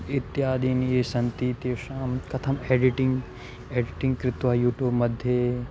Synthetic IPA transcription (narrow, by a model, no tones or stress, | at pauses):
it̪ːjaːd̪iːnieːsɐnt̪iːt̪eːʃaːmkɐt̪ʰɐmeːɖiʈiŋɡ | eːɖiʈĩŋɡkɾɪt̪ʋɐjuːʈjuːbmɐd̪ʱje